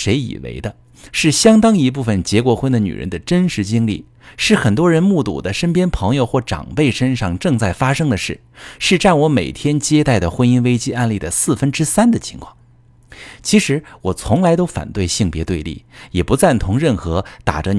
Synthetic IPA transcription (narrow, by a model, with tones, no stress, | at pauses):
ʂe˧˥ɪḭ˨˩wḛ˧˥ɪd̪ə˧ | ʂɻ̩˥˩ɕjɑ˥ŋt̪ɑ˥ŋi˧˥p̬u˥˩fə˩nt͡ɕjɛ˧˥kwɔ˧˥xwə˥nd̪ə˧ny̰˨˩ɻə̰˧˥nd̪ə˧ʈ͡ʂə˥nʂɻ̩˧˥t͡ɕi˥ŋlḭ˥˩ | ʂɻ̩˥˩xə˨˩nt̪̬wɔ˥ɻə˧˥nmu˥˩t̪ṵ˨˩d̪ə˦ʂə˥npjɛ˥npʰɤ˧˥ŋjo˧ʊxwɔ˥˩ʈ͡ʂɑ̰˨˩ŋpe˥˩ɪʂə˥nʂɑ˥˧ŋʈ͡ʂɤ˥˧ŋt͡sa˥˩ɪfa˥ʂɤ˥ŋd̪ə˨ʂɻ̩˥˩ | ʂɻ̩˥˧ʈ͡ʂa˥˩nwɔ˧˥me˨˩ɪt̪ʰjɛ˥nt͡ɕjɛ˥t̪a˥˩ɪd̪ə˩xwə˥ni˥nwe˥ɪt͡ɕi˥ʔa˥˧nli˥˩d̪ə˩sɹ̩˥˩fə˥nʈ͡ʂɻ̩˥sa˥nd̪ə˨t͡ɕʰi̥˧˥ŋkʰwɑ̰˥˩ŋ | t͡ɕʰi˧˥ʂɻ̩˧˥wɔ˨˩t͡sʰʊ˧˥ŋla˧ɪt̪o˥ʊfa̰˨˩nt̪we˥˧ɪɕi˥˩ŋpjɛ˧˥t̪we˥˧ɪlḭ˥˩jɛ˨˩pu˧˥t͡sa˥˩nt̪ʰʊ˧˥ŋɻə˥˩nxɤ˧˥t̪a̰˨˩ʈ͡ʂə˦